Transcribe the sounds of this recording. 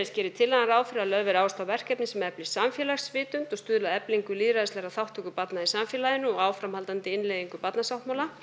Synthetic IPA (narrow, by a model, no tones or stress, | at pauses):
ɪscɛːɾɪt̪ʰɪlːaɣanɾaːwfɪɾalœðvɪɾaːwst̪awvɛr̥kɛpnɪsɛmɛplɪsamfjɛlaxsvɪːt̪ʏnt̪ɔst̪ʏːðlaɛpliŋkʏliːɾaðɪst̪lɛɾaθawht̪ʰʏkʏpat̪naisamfjɛlaðɪnʏɔɣaːwfɾamhalt̪ant̪ɪɪnlɛðiŋkʏpat̪nasawht̪mawla